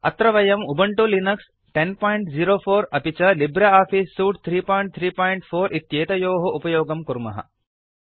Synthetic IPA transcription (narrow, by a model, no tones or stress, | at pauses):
ɐ̰t̪ɾɐʋɐjɐmubɐɳʈulinɐks | ʈenpaːjiɳʈziːɾoːpʰoːɾɐpit͡ʃɐlibɾɐaːfiːsːuːʈ̚t̪ʰɾiːpaːjɳʈ̚t̪ʰɾiːpaːjiɳʈfʰoːɾʔit̪jeːt̪ɐjoːɦɐʔupɐjoːɡɐmkuɾmɐ̰ɦɐ̰